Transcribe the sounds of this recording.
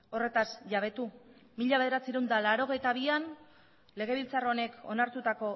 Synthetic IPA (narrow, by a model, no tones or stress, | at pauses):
o̞re̞t̪asʝaβ̞e̞t̪umiʎaβe̞ð̞e̞ɾat͡siɾewnd̪alaɾo̞ɣ̞e̞jt̪aβ̞ian | le̞ɣ̞e̞β̞ilt͡sarone̞ko̞̰naɾt̪ut̪ako̞